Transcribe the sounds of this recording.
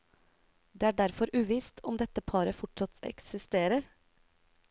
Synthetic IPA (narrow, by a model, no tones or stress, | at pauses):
d̪eːæːɖæɾfɔɾʔʉːʋiːst̪ʰɔmd̪ɛt̪ːəpʰɑːɾəfɔʈʂɑt̪ɛ̰ksɪst̪eːɾəɾ